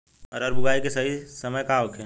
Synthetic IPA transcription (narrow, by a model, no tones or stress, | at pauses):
ɔ̰ːɾɔːɾbʊɡʱaːikesɐɦisəməjkaʋokʰɛː